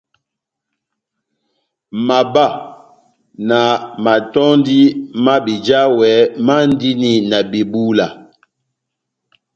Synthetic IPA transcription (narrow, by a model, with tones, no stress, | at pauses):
ma˨ba˦˨ | na˨ma˨tɔ˦ndi˦ma˦bi˨d͡ʒa˦wɛ˨˦ma˦n˦di˦ni˨na˨bi˨bu˦la˨